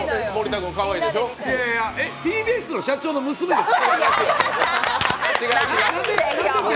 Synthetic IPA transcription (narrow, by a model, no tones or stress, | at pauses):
moɾʲit̪aɡɯkaβaiːd̪eɕoːeaet̪ʲiːbiesɨno̞ɕat͡ɕo̞ːno̞mɯ̟sɨmed̪esiai | t͡ɕiɡainae